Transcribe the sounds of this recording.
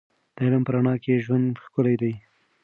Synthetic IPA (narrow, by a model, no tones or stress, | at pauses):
d̪̥əɪləmpəɾaɳɑkeʒwand̪xkʊlajd̪aj